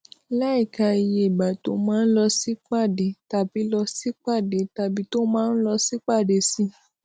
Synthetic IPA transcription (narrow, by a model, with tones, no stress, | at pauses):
la˦i˦˨ka˧i˧˨je˧i˨ba˨to˨˦mãː˦n̩˦lɔ˧si˦k͡pa˦˨de˨˦ta˧bi˨˦lɔ˧si˦k͡pa˦˨de˨˦ta˧bi˨˦to˦mãː˦n̩˦lɔ˧si˦k͡pa˦˨de˨si˧